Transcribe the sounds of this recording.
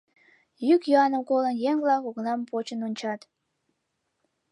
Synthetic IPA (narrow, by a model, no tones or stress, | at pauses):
jykjuɑnəmkolənjeŋvlɑkoɣnɑmpot͡ɕənonʲt͡ɕɑt̪